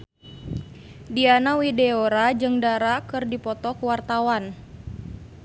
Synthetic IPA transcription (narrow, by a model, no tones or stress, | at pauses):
dianawideoɾad͡ʒɨŋdaɾakɨrdipɔt̪ɔkuwart̪awan